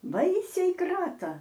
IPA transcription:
ˈbɐɪsʲɛɪ ˈkrɑːtɐ

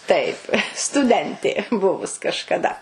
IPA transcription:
ˈtɐɪp stʊˈdʲɛnʲtʲeː ˈbʊʋʊs kɐʃkɐˈdɐ

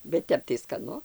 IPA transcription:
bʲɛt ˈtʲɛp tɐɪ skɐˈnʊ

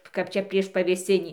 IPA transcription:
kɐp ˈt͡ʃʲɛ pʲrʲiɛʃ pɐʋʲeːˈsʲɪnʲiː

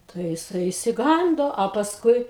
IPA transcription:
tɐɪ jɪˈsɐɪ ɪʃʲsʲɪˈɡɐndoː oː pɐsˈkʊɪ

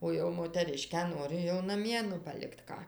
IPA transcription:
ˈoː jɛʊ moːtʲɛˈrʲɪʃʲkʲæː ˈnoːrʲɪ jɛʊ nɐˈmʲiɛ nʊ pɐˈlʲɪkt ˈkɑː

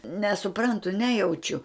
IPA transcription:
nʲɛsʊˈprɐntʊ ˈnʲæːjɛʊt͡ʃʲʊ

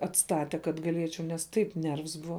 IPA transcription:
ɐtˈstɑːtʲɛ kɐt ɡɐˈlʲiɛt͡ʃʲɛʊ nʲɛs ˈtɐɪp ˈnʲɛrʋs ˈbʊʋɐ

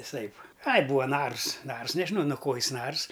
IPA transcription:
ʋʲɪˈsɐɪp ɐɪ ˈbuːɐ ˈnɐrs ˈnɐrs nʲɛʒʲɪˈnɐʊ nʊ ˈkoː ˈjɪs ˈnɐrs

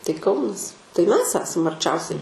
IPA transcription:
tɐɪ ˈkɐʊnɐs tɐɪ ˈmʲɛs ˈæːsɐm ɐrʲˈt͡ʃʲɛʊsʲɛɪ

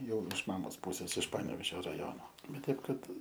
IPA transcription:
ˈjɛʊ ɪʃ ˈmɑːmoːs ˈpuːsʲɛs ɪʃ ˈpɑːnʲɛʋʲɛʒʲoː rɐˈjoːnoː ˈbʲɛt ˈtʲɛɪp ˈkɐt

